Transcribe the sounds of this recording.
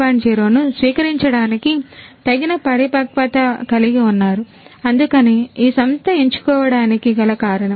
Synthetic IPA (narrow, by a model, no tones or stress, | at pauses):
aːɳd͡ʒeːɾoːnusʋiːkɐɾiɲt͡ʃɐɽaːnikit̪ɐɡinɐpɐɽipɐkpɐt̪ɐkɐliɡiunːaːɾu | ɐnd̪ukɐneːiːsɐmst̪ɐeɲt͡ʃu̥kɔːʋɐɽaːnikiɡɐlɐkaːɾɐɳɐ